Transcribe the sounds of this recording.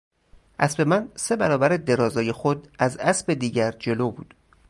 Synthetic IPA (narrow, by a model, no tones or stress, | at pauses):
ʔæsbe̞mænse̞bæɾɒːbæɾed̪e̞ɾɒːzɒːje̞xod̪ʔæzæsbe̞d̪iːɟæɾd͡ʒe̞loːbṵːd̪̥